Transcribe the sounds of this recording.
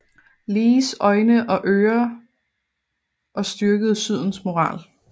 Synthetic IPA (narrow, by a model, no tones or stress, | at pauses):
liːsɒ̽ɪnəʔɒ̽ʔøːɐ | ʔɒ̽sd̥yɐɡ̥əð̞̩ˠsyð̞̰ˠn̩smo̝ʁɑ̰̈ːl